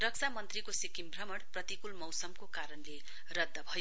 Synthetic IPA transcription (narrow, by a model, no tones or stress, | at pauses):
rʌksamʌnt̪rikosikimbʱrʌmʌɽprʌt̪ikulmʌwsʌmkokaɾʌnle | rʌd̪ʱːʌbʱʌjo